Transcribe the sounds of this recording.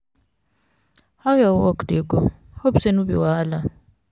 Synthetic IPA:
hawjaɔkdikɔ | hobsenubḭwaːla

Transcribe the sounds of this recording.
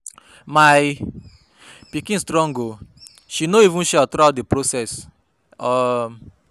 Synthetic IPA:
maj | pikĩnstɾɔ̃ŋɡo | ʃinoivũʃɛɔtɾatdepɾosɛs | ɔ

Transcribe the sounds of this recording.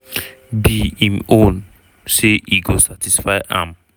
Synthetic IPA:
biimʔõn | seʔiɡosatʰisfaɪʔã̰m

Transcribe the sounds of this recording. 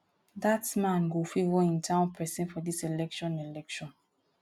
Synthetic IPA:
datmãnɡofevɔĩntʰãʊ̃npʰɛsɛ̃nfɔdiselɛkʃɔ̃nelɛkʃɔ̃n

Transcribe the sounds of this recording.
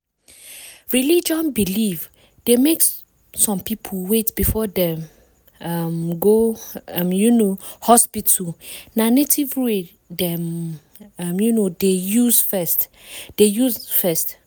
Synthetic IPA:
ɹilid͡ʒɔ̃nbiliv | d̥emek | sɔ̃mpʰipʰulwetb̥ifɔdɛ̃m | amɡo | mjunohɔspitʰunanetʰivɹe | dɛm | amjunodejuzfɛst | d̥ejuzfɛst

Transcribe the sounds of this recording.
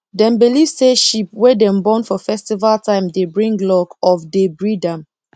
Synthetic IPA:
dɛ̃mbilivseʃipwɛdɛ̃mbɔ̃nfɔfɛstivaltãɪ̃mdebɹĩŋɡlɔkɔfdebɹidãm

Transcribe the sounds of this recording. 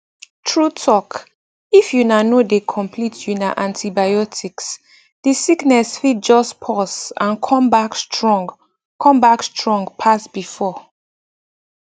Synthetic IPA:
tʰɹutʰɔk | ifjunanodekʰɔ̃mpʰlitʰjunaʔãntʰibajɔtʰiks | d̥isiknɛsfit̚d͡ʒɔspʰɔsãnkʰɔ̃mbakstɹɔ̃ŋɡ | kʰɔ̃mbakstʰɹɔ̃ŋɡpʰasbifɔ

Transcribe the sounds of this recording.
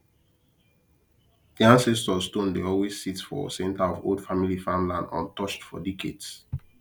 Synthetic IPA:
diãnsɛstɔstõndeɔlwessːitfɔ̰sɛ̃ntaɔvo̰ld̥familifãmlãndɔ̰̃ntɔt͡ʃtfɔ̰dikʰḛds

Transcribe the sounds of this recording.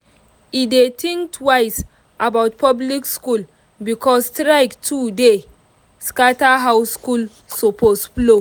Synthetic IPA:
idetʰĩŋktʰwajs | ʔabawt̚pʰablikskul | bikʰɔstɾaɪktʰude | skataɦawskul | soposplo

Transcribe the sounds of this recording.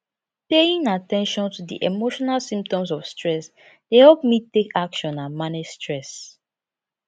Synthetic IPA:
peĩŋatɛ̃nʃɔ̃ntudḭʔemoʃɔnalsĩmp̚tɔ̃msɔfstɹɛs | d̥ehɛlp̚mitekakʃɔ̃nãnmaned͡ʒstɹɛs

